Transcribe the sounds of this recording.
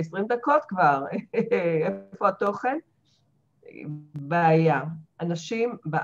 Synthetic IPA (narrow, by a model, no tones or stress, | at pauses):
esʁimd̪ako̞t̪kvaʁ | efo̞at̪o̞χen | beajaʔanaʃimba